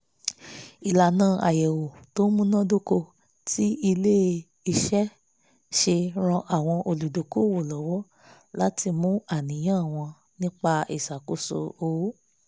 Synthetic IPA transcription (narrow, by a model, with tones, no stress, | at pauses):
i˨la˨nãː˦˨ʔa˨jɛ˨wo˨to˦mũ˦nã˦do˦ko˧ | tʰi˦i˧le˦ | i˧ʃɛ˦ | ʃe˧ɾ̃ɔ̃˧ʔa˨w̃ɔ̃˧ʔo˧lu˨do˨ko˦˨wo˨lɔ˨wɔ˦ | la˦tʰi˧mũ˦a˦˨nĩ˨j̃ã˦˨w̃ɔ̃˧ | nĩ˦k͡pa˧ḭ˦˨sa˨ko˨so̰˧o˧˦